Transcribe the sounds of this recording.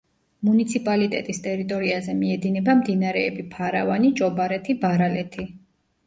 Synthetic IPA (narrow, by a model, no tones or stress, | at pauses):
munit̪sʰipʼalit̪ʼɛ̰t̪ʼist̪ʼɛɾit̪ʼɔɾiazɛmiɛd̪inɛbamd̪inaɾɛːbipʰaɾavanit͡ʃʼɔbaɾɛt̪ʰibaɾalɛt̪ʰi